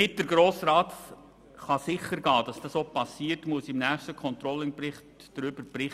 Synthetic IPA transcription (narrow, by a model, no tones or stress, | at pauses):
ɪt̚d̥əɾɡɾoːsɾɑːt | χɑsɪχəɾɡɑːd̥ɑsd̥ɑsopɑsiːərtmuəsɪmnæːχstəkʰɔnt̪ɾɔlːɪŋbɾɪχtd̥ɾʏbəɾb̥ɾɪχ